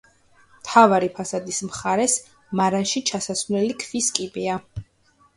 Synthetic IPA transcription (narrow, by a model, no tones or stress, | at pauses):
mt̪ʰavaɾipʰasad̪ismχaɾɛs | maɾanʃit͡ʃʰasasvlɛlikʰviskʼibia